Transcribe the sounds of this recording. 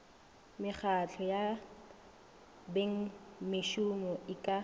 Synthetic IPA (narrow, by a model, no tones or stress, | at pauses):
mɪχat͡ɬʰɔja | beŋ̩mɪʃumɔʔɪkʼa